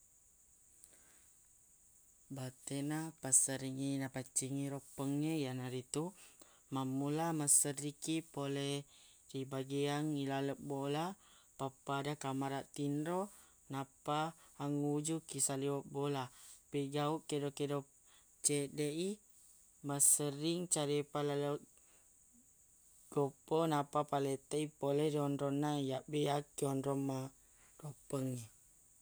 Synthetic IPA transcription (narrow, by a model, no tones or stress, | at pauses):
bat̪enapasəɾiŋinapat͡ʃiŋiɾopəŋejanaɾit̪u | mamulamasəɾikipolɛh | dibaɡiaŋilaləp̚bola | papadakamaɾaʔt̪inɾo | napaːŋud͡ʒukisaliwəbolapeɡauʔkedokedɔ | t͡ʃedei | masəɾiŋt͡ʃaɾepalala | ɡ̥opɔnapapalet̪əipoleɾiɔnɾɔnajaʔbiakiɔnɾɔmːa | ropəŋi